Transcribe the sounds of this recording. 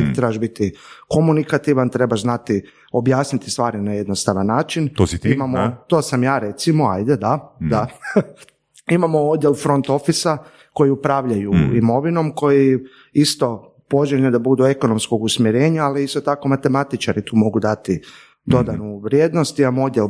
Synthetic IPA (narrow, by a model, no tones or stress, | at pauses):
t̪ɾebaʒbit̪iko̞munikat̪iʋant̪ɾe̞baʒznat̪i | o̞bjaːsnit̪i̥st̪ʋaːɾinaje̞d̪nost̪aʋanːaːt͡ʃinot̪imamot̪oːsamjaːɾe̞t̪simoa̰jd̪ed̪ad̪a | imamo̞od̪ʲjelfɾo̞nt̪o̞fisa | ko̞jiupɾaːʋʎajṵimo̞ʋino̞mko̞ji | ist̪o̞ | po̞ʒeʎud̪abud̪ue̞ko̞no̞msko̞ɡusmjeɾe̞ːɲaːliist̪o̞t̪ako̞mat̪e̞mat̪it͡ʃaɾit̪ʰuːmo̞ɡud̪at̪i | d̪o̞d̪anuʋɾjeːd̪no̞st̪imamood̪ʲjel